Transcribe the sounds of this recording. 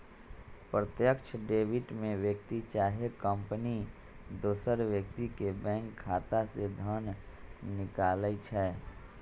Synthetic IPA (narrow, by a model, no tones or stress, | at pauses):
pɾət̪jəkʃʰɖeːʋɪʈmẽʋjəkt̪it͡ʃaːɦekə̃mpəni | d̪oːsəɾʋjək̚t̪ikebɛ̃ːŋkʰːaːt̪ased̪ʱən | nɪkaːləit͡ʃʰɛː